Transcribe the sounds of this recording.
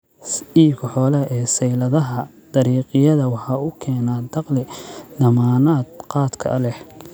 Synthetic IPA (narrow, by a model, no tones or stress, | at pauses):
iːkʰħɔːlɐɛːsɛjlɐðɐɦɐ | d̪̥ɐɾiːqɪjɐðɐwɑħɑːʊkʰɛːnaːd̪ɑqlɪd̪ɐmaːnaːd̪̚qɑːd̪kʰɐ̰ɐlɛh